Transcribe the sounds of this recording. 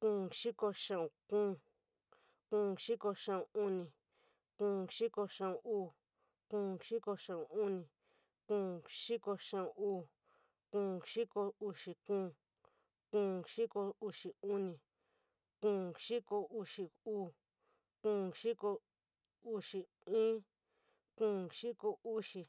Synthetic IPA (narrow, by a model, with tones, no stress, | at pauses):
kũː˧˨ʃi˦ko˧ʃã˦˧ũ˧˨kũː˦ | kũː˧ʃi˦ko˧ʃã˧ũ˧u˦nĩ˧ | kũː˧˦ʃi˦ko˧ʃã˧ũ˧uː˦˧˨ | kũː˧˦ʃi˦ko˧ʂã˧ũ˧˨u˦nĩ˨ | kũː˧˦ʃi˦ko˧ʃã˧ũ˧ʔuː˦˧˨ | kũː˦˧˨ʃi˦ko˧u˧ʂi˧kũː˦˧˦ | kũː˧˦ʂi˦ko˧u˧ʂi˨u˦nĩ˨ | kũː˧˨ʂi˦ko˧u˧ʂi˧uː˦˧˨ | kũː˦˨ʃi˦ko˧ | u˧ʂi˧ | ĩː˦ | kũː˧˦ʃi˦ko˧u˦ʂi˧